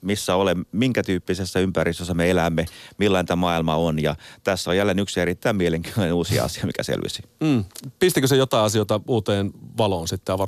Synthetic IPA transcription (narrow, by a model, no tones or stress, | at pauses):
misːæolemmiŋkæt̪yːpːisesːæympærist̪øsːæmeelæmːemilːænt̪æmɑilmɑonjɑt̪æsːojælːeːnyksieɾit̪ːæimieleŋkyænuːsiɑ̰ɑ̰siɑmḭkæ̰sḛlʋḭsi̥m̩ːpist̪ikøsejot̪ɑiɑsiot̪ɑuːt̪eːnʋɑloːnsit̪ːæjɑʋɑ